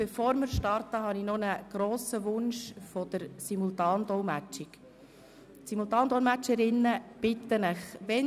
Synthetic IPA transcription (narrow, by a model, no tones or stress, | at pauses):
b̥ɛfoːɾmɪɾʃtɑɾtəɦɑninɔnəɡ̥ɾoːsəʋʊnʃfɔd̥̪əɾsimultɑːnd̪ɔlmæt͡ʃɪk | tsimult̪ɑːnd̥̪ɔlmæt͡ʃəɾɪnːəb̥ɪt̪ːənəχʋɛ